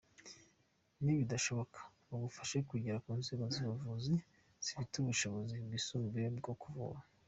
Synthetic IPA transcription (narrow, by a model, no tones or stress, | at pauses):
niβidaʃo̞βokʰḁ | βuɡufḁʃekuɟeɾakuːnziːɡoziβavuzi | z̥i̥fituβuʃo̞βo̞zibɡisuːmbiebɡokuvṵβa